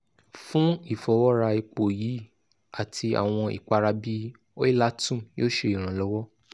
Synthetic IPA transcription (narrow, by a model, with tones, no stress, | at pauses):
fũ˦i˦˨fɔ˨˦wɔ˦ɾa˧i˧k͡po˨ji˨˦ | a˦˨tʰi˧a̰˨w̃ɔ̃˧ḭ˨k͡pa˧ɾa˧bi˦ | o˦i˦la˦tũ˦˨jo˦ʃe˧˦i˨ɾ̃ã˨˦lɔ˦wɔ˦